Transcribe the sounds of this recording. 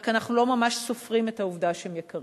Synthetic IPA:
kanaχnulo̞mamaʃsofʁimetauvdaʃehemjekɐʁ

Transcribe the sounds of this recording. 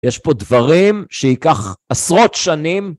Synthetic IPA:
jeʃpo̞d̪vaʁimʃeikaχasʁo̞t̪ʃanim

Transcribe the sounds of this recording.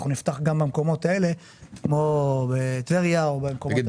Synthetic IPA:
χunift̪aχɡambamko̞mo̞t̪ae̞le̞ | kmo̞bet̪veʁjaobemkoo

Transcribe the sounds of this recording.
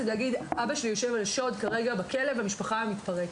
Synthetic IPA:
laɡid̪ʔabaʃelijo̞ʃevalʃo̞d̪kaʁe̞ɡabakʰe̞le̞vamiʃpaχaamit̪paʁek

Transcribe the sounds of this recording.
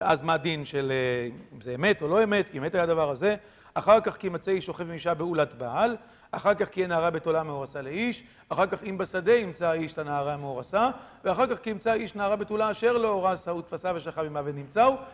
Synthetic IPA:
ʔazmad̪inʃeleiimzeeme̞to̞lo̞eme̞tkiemetajad̪avaʁaze̞ | aχaʁkaχkimat͡seiʃo̞χe̞fimiʃabeulat̪baal | aχaʁkaχkienaːʁabetolameoʁasaleiʃ | aχaʁkaχimbesade̞imt͡saiʃtanaːʁameoʁasaveaχaʁkaχkiimt͡saiʃnaːʁabetolaːʃe̞ʁleoʁasaut̪fasave̞ʃaχavimavenimt͡sau

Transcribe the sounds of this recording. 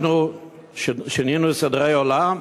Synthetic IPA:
nu | ʃeninusad̪ʁejolam

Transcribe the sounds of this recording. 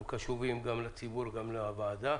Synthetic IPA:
kaʃuvimɡamlet͡sibuɾɡamleavaːd̪a

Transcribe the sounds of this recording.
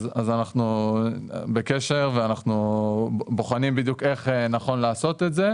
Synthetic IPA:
zazanaχnu | beke̞ʃe̞ʁveanaχnu | boχanimbid̪juke̞χenaχo̞nlaːso̞t̪e̞tze̞

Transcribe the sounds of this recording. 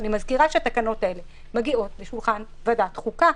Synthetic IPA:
nimazkiʁaʃeat̪akano̞t̪ae̞le | meɡio̞t̪leʃulχan | vad̪at̪χuka

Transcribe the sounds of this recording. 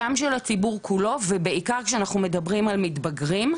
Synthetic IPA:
amʃelat͡sibuʁkʰulo̞vebeikaʁkʃeanaχnume̞d̪ɐbʁimalmit̪bɐɡʁim

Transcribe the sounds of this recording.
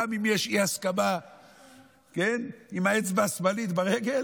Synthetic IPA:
mimjeʃihaskaba | kenimaet͡sbaːsbalit̪baʁeɡe̞l

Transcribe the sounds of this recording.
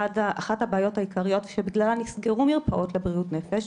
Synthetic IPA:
adaaχathabaːjo̞thaikaʁijo̞tvʃebiɡlalanisɡeʁumiʁpaʔo̞tlebʁiutne̞feʃ

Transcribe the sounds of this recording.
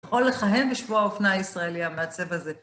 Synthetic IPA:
χo̞lːeχaɦe̞nbeʃvuaofnaisʁaeliameat͡se̞vaze̞

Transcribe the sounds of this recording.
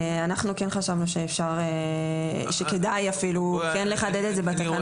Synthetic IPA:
anaχnukenχaʃavnuʃeːfʃaʁe | ʃeke̞dajafilukɛnleχaded̪etzebat̪akan

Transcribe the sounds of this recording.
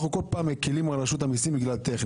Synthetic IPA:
uko̞lpaːmekilimanaʃut̪amisimbiɡlalt̪eχn

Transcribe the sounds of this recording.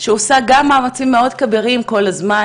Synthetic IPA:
ʃeosaɡamːaːmat͡simːe̞o̞dkabeʁimko̞lazma

